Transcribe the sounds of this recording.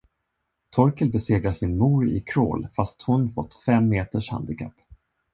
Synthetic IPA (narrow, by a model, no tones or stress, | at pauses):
t̪ʰɔɾkəlbɛseːɡɾasɪnmuːɾɪ̰kʰɾo̰ːlfast̪hʊnfɔ̰t̪ːfɛmːeːt̪əʂha̰nd̪ɪkʰa̰pː